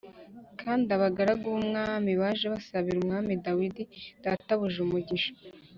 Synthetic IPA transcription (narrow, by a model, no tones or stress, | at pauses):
kʰaːndaβaɡaɾaɡumŋaːmiβaːʒeβasaβiɾumŋaːmidawididataβuʒumuɟiʃo̥